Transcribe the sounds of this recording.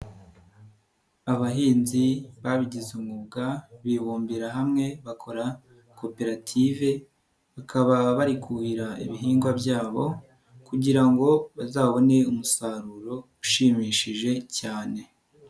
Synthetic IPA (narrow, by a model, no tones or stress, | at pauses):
aβaɦiːnziβaβiɟizumɡubɡaβiβuːmbiɾaɦamŋe̞βakʰo̞ɾa | kʰo̞pe̞ɾatʰive̞ | βakʰaβaβaɾikʰuhiɾaḭβiɦiːŋɡwabjaːβo̞ | kuɟiɾaŋɡo̞βazaːβo̞ne̞umusaɾuɾo̞uʃiːmiːʃiʒe̞caːne̞